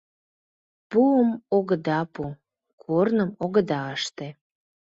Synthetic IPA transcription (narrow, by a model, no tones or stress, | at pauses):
puəmoɣəd̪ɑpu | kʰornəmoɣəd̪ɑəʃt̪e